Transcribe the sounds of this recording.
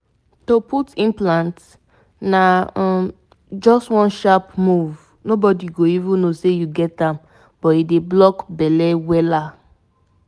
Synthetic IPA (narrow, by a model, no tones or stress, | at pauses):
toputĩnplãnt | na | d͡ʒɔstwɔ̃nʃapmuv | nobɔdiɡoivũnːosejuɡɛtãm | b̥ɔtideblɔkbɛlɛwɛla